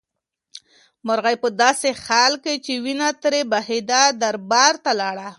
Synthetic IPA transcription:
mʊɾɣajpəd̪ɑsexalket͡ʃewinat̪ɾebahed̪ad̪aɾbɑɾt̪alɑɽa

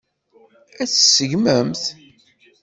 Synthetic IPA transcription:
æθsəʝməmθ

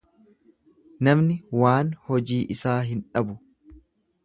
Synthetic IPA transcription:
nɐmnɪwaːnhɔd͡ʒiːʔɪsaːɦɪnᶑɐbʊ

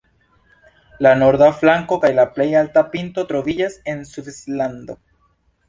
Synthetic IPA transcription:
lano̞ɾd̪aflaŋko̞kajlaple̞jaltapinto̞t̪ɾo̞vid͡ʒase̞nsufisland̪o̞

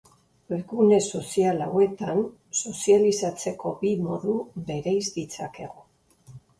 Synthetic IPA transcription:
eɣune̞so̞sialawe̞t̪an | so̞sialisat͡se̞ko̞bimoðube̞ɾejzd̪it͡sake̞̰ɣo̞

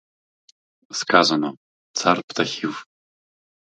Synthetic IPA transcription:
skʰaːzanɐ | t͡sʰarpʰt̪ʰaxiv

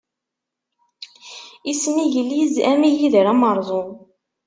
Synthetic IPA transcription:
isəniʝəlːizæmijiðəɾæməɾˤðˤo

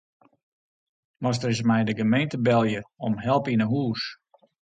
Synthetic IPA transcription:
mɔs̬tərɪs̬mɛjdəɡəmejntəbɛlˠjəɔmɦɛlˠpinəɦuːs

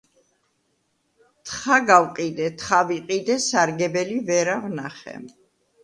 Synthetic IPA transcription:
t̪ʰχaɡawqʼid̪ɛt̪ʰχaviqʼid̪ɛsaɾɡɛbɛlivɛɾavnaχɛ̰

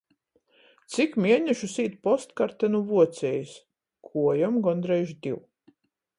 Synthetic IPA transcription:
t̪sikmʲiɛnʲɛʃusiːt̪pɔst̪kaɾt̪ɛnuvuɔt̪sɛjis | kʰuɔjamɡɔnd̪ɾɛjʒd̪ʲiw

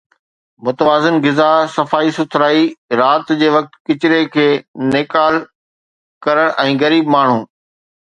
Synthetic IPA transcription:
mʊt̪əʋaːzɪnɡɪzasɐfaːisʊt̪ʰɾaːiɾaːt̪d͡ʑeːʋɐk̚t̪kɪt͡ɕɾekʰeːnɪkaːl | kɐɾəɽ̃ʔɛ̃ːɣɐɾiːbmaːɳ̤ũː

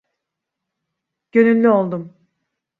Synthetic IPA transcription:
ɟ̥ø̞nylʲːyo̞lˠd̪um

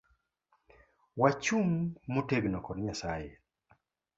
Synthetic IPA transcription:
wat͡ʃumːoteɡnɔkɔɾɲasaje

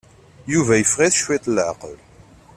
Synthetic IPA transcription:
juvæjəfʁiθʃwit̪ˤlʕqə̰l

